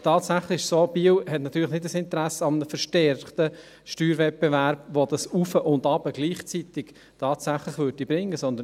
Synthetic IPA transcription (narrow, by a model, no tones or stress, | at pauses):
tʰɑːtsæχləɪɪʃsoːbiwhɛtnɑtyːɾləχnɪdəsɪnt̪əɾæsəɑmənəfəɾʃtɛɾχtə | ʃtyːɾvɛt̚bevæɾb̥ʋod̥̪ɑsufəʔʊndɑb̥əɡ̥liːχt͡sit̪ɪk | tʰɑːt̪sæχlɪχʋøːɾdibɾɪŋːəsɔnd̪ə